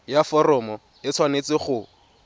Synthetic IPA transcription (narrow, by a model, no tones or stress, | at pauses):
jafɔrɔmɔ | ɪt͡sʰwanet͡sɪχʊ